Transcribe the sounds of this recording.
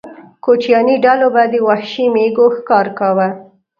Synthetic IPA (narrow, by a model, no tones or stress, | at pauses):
kot͡ʃjɑniɖalobad̪əwahʃimeɡoxkɑɾkawa